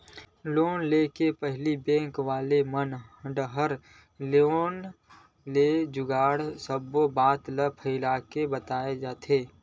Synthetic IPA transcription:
loːnleːkepəɦlibɛ̃ːŋkʋaːlemənɖəɦəɾ | loːn | led͡ʒʊɡaːɽsəbobaːt̪ləpʰəɪlaːkebət̪aːed͡ʒaːt̪ʰeː

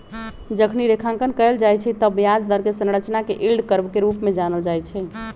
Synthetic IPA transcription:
d͡ʒəkʰniɾekʰãŋkənkəɛld͡ʒajt͡ʃʰɛt̪əbjad͡ʒd̪əɾkesə̃nɾət͡ʃnakeʔilɖkəɾbkeɾupmed͡ʒanəld͡ʒajt͡ʃʰɛ

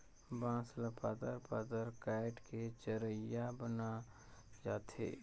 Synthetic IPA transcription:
bãːsləpaːd̪əɾpaːd̪əɾkaːɪʈket͡ʃəɾəjabəna | d͡ʒaːt̪ḛː

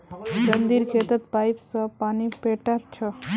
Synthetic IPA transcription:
ɡənd̪iɾkʰet̪ət̪pajpsəpanipeʈatt͡ʃʰə

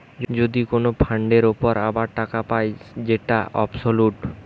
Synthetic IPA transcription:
d͡ʑod̪ikonopʰaɳɖeɾopoɾabaɾʈakapaed͡ʑeʈaʔɔ̰bsoluʈ

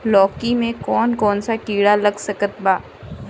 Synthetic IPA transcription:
lɔːkimẽkɔːnkɔːnsakiːɽalɐɡsəkət̪baː

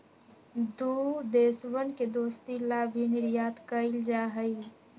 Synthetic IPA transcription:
d̪ud̪eːswənked̪oːst̪ilaːbʱinɪɾjaːt̪kəɪld͡ʒaːɦəi

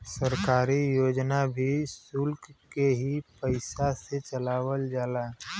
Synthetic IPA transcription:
səɾkaːɾijoːd͡ʒnabʱisʊlkkeɦipəɪsaset͡ʃəlaːwəld͡ʒaːlaː

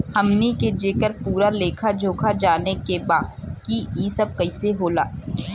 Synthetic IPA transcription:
hɐmniked͡ʒeːkəɾpuːɾaleːkʰad͡ʒʱoːkʰad͡ʒaːnekebaːd̪kiiːsɐb̚kɐɪseɦoːlaː

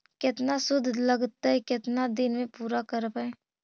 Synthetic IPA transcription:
kɪt̪nasʊd̪ʱːləɡt̪aɛkɪt̪nad̪ɪnmẽpuːɾakəɾbae

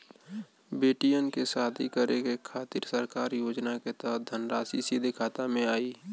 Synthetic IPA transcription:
beːʈijənkesaːd̪ʰʱikəɾekekʰaːt̪ɪɾsəɾkaːɾjoːd͡ʒnaket̪ɔɦt̪̚d̪ʱənɾaːsisiːd̪ʱekʰaːt̪amẽaːiː

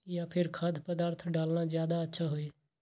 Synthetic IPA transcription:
jaːpʰɪɾkʰad̪ʰpəd̪aːɾt̪ʰɖaːlnãːzjaːd̪aətːʃʰaːɦoeː

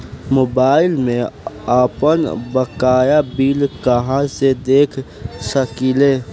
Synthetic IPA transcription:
moːbaːɪlmẽaːpənbəkaːjabiːlkaɦãsed̪eːkʰ | səkileː

